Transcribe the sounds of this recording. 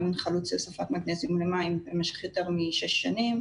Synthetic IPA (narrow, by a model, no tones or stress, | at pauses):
minχalut͡sesafat̪maɡnezilemaimbemɛʃe̥χjot̪eʁmiʃeʃːanim